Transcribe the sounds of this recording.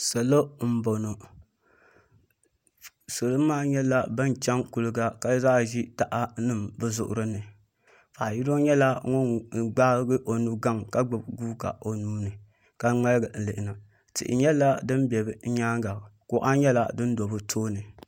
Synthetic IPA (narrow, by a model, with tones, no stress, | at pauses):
sa˨lo˦m̩˦bo˨no˨ | so˨lɨ˦maː˦ɲɛ˦la˦ba˦n˨t͡ʃɛ˦ŋku˨lɨ˦ɡa˦ka˨˦zaː˦ʒi˦ta˨ʔa˦nɨ˦mbɨ˦zʊ̰˨ʔʊ̰˨ɾɨ˦nɨ˨ | faː˨ji˦ɾo˦ɲɛ˦la˦ŋɔ˦n˦ɡ͡ba˦ɡɨ˦ʔo˨nu˦ɡa˦˨ŋka˦ɡ͡bɨ˨bɡuː˦ɡa̰˨o˨nuː˦nɨ˨ | ka˦ŋ͡ma˦lɡɨ˨n̩˨lɨ˨ʔɪ˨na˨ | tɪ̰˨ʔɪ̰˨ɲɛ˦la˦dɨ˦nbɛ˨bɨ˦ɲaː˦ŋɡa˨ko˨˦ʔa˦ɲɛ˦la̰˦dɨ˦n˦do˨bɨ˦tʰoː˦nɨ˨